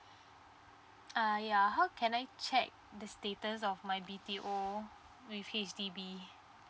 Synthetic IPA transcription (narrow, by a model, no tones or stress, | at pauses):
ajaɦawkʰɛ̃najt͡ʃɛk̚dəstetəs̬ɔfmajbitiʔo | wifet͡ʃdibi